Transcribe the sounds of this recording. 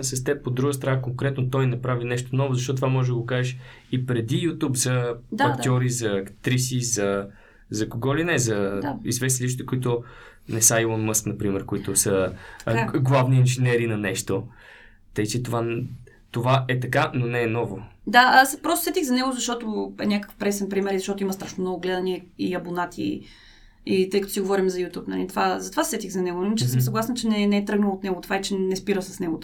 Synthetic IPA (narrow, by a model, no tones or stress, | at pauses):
sɐst̪ɛp̚pod̪ɾuɡəst̪ɾɐnakoŋkɾɛt̪not̪ɔjnɐpɾavinɛʃt̪onɔvozɐʃ̬tɔt̪t̪vamɔʒɛd̪əɡokaʒɛʃ | ipɾɛd̪ijut̪upzɐd̪aɐk̪ʲɔɾizɐːkt̪ɾisizɐ | zɐkoɡɔlinɛzɐaizvɛst̪iliʃt͡ʃ̪t̪ə̥koit̪ʊ | nɛsajlˠɔnmɤsknɐpɾimɛɾkoit̪osə | ɡlˠavniːnʒinɛɾinɐnɛʃt̪o | t̪əjt͡ʃɛt̪ova | t̪ovaɛt̪ɐkanonɛːnɔvod̪aaspɾɔst̪osɛt̪ixzɐnɛɡʊzɐʃt̪ɔt̪oɛnʲakə̥kə̥fpɾɛsɛnpɾimɛɾizɐʃt̪ɔt̪ʊimɐst̪ɾaʃnomnɔɡʊɡlɛd̪ɐniɛiɐbonat̪ʰḭ | it̪ɤjkɐt̪o̥siɡovɔɾimzɐjut̪ʲupnɐ̰lit̪ovazɐt̪ovasɛt̪ixzɐnɛɡonlimit͡ʃɛsəms̬ɐɡlˠasnət͡ʃɛnɛnɛɛt̪ɾɤɡnəlˠot̪nɛɡʊt̪ovaɛt͡ʃɛnɛspiɾəsɐ̥snɛɡʊt̪